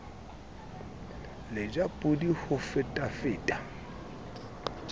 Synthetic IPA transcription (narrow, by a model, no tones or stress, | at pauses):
lɪd͡ʒapʼʊdihʊfɪtʼafɪːtʼa